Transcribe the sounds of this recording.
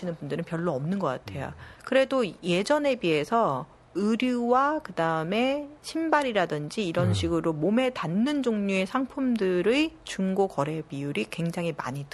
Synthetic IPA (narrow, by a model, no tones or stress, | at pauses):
inɯnbundɯɾɯnpjʌɭːoʌmnɯnɡʌk͈a̰tʰe̞jo̰kɯɾe̞doje̞d͡ʑʌne̞bie̞sʰʌ | ɯɾjuwakɯdaɯme̞ɕʰimbaɾiɾadɯnd͡ʑiːɾʌnɕʰiɡɯɾomome̞tanːɯnd͡ʑoŋɲue̞sʰaŋpʰumdɯɾɯt͡ɕuŋɡokʌɾe̞bijuɾikwe̞ŋd͡ʑaŋɦima̰ɲit